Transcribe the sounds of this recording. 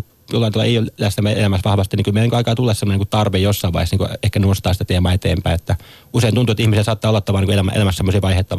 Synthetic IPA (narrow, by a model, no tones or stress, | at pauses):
jolːɑinuo̰eijollæst̪æmːæḛlæmæsʋɑhʋɑst̪iniŋkylmeniŋkøɑikɑːt̪ulːesemonikut̪ɑrʋejjosːɑiʋɑ̰ihesniːkuehkæneost̪ɑːsi̥t̪æt̪eːmæːet̪ḛːmpæiet̪ːæ | useˑinunt̪uet̪ːihmiselsɑːt̪ːɑːolːɑt̪ːɑʋɑniŋkoelæm̰ḛlæmæssemːosiːʋɑihet̪ːɑʋ